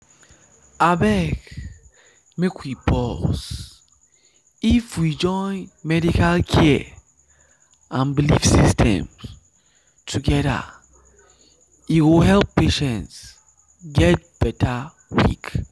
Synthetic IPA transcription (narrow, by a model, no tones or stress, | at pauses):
abɛk | mekʰwibɔs | ifwid͡ʒɔ̃ɪ̃nmɛdikalkʰɛ | ʔãnbilifsistʰɛ̰̃m | tʰuɡɛɾa̰ | itwilɦɛlpːeʃɛ̃nts | ɡɛt̚b̥ɛtʰa | wḭk